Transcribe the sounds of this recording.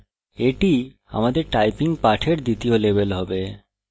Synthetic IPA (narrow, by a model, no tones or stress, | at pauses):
eʈi | a̰mad̪eɾʈajpiŋpaʈʰeɾd̪it̪iolebelɦɔbe